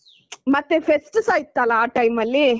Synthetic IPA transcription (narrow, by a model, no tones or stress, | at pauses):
mɐt̪ːepʰesʈsaːjit̪ːalaːʈɐjmɐlːi